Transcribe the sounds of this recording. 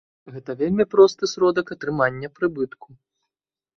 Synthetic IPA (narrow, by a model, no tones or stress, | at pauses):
ɣɛt̪ɐvʲelʲmʲipɾɔst̪ɨsɾɔd̪ɐkɐt̪ɾɨmanʲːɐpɾɨbɨt̪ku